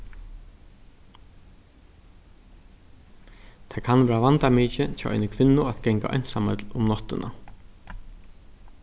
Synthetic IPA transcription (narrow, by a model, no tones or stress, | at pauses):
t̪ʰakʰanʋɛːɹaʋant̪amiːt͡ʃɪt͡ʃʰaːʔɔ̰jnɪkʰvɪnːʊat̪ɡɛŋka̰ʔɔ̰jnsamɛt̪lʊmnɔht̪ɪnʔa̰